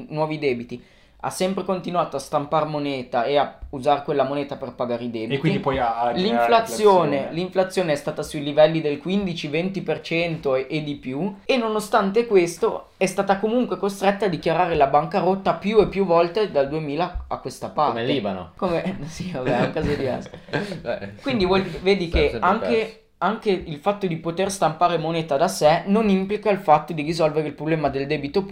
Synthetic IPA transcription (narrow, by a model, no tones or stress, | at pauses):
nwɔːvid̪ɛːbit̪i | a̰sːɛmpɾekont̪inuaːt̪oast̪amparmoneːt̪aeauzaɾekwelːamoneːt̪aperpaɡaːɾeid̪ɛːbkikwinid̪ipɔjaliɱflat̪sːjoːneliɱflat̪sːjoːneɛst̪aːt̪asuilivɛlːid̪elkwind̪it͡ʃivɛnt̪ipert͡ʃɛnt̪oʔed̪ipjuenːonost̪ant̪ekwest̪o̰ | ɛst̪aːt̪akomuŋkwekost̪ɾet̪ːaːd̪ːikjaɾaːɾelabaŋkaɾot̪ːapjuepːjuvɔlt̪ed̪ald̪uemiːlaakːwest̪apaɾleibano̰komesiobɛuŋkaːzed̪ivɛ̰rse̥ | kwind̪ivwɔlveːd̪ikeaŋke | aŋkeilfat̪ːod̪ipot̪erst̪ampaːɾemoneːt̪ad̪asɛnonimplikailfat̪ːod̪irizɔlveɾeilpɾoblɛːmad̪eld̪ɛːbit̪o